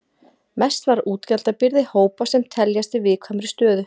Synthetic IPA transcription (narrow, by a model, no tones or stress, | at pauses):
mɛst̪vaɾuːt̪calt̪apɪɾðɪhoːwpasɛmt̪ʰɛljast̪ɪvɪðkʰvamɾɪst̪œːðʏ